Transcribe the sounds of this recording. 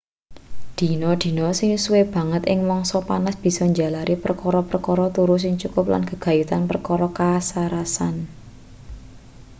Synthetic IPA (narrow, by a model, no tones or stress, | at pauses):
d̪̥i̤nɔd̪̥i̤nɔsɪŋsuweb̥ä̤ŋət̪ʔɪŋmɔŋsɔpanasb̥i̤sɔɲd͡ʒa̤laɾʔipərkɔɾɔpərkɔɾɔt̪uɾʊs̬ɪŋt͡ʃukʊpla̰nkə̤ɡ̥a̤jut̪anpərkɔɾɔkasaɾasan